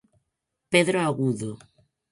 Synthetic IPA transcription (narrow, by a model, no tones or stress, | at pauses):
peðɾoaɣuðo